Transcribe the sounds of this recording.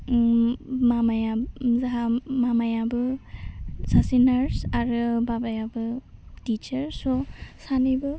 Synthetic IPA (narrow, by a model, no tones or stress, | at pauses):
mamajazaɦamamajabɯ | sasinaɾsaɾɯbabajabɯtit͡ʃaɾsɔsanibɯ